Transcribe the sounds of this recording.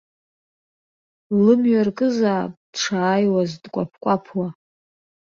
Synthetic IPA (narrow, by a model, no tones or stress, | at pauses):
lɨmɥarkʼɨzaːpʼd̥ʈ͡ʂʰaːjwazdkʷʼa̰pʰkʷʼapʰwa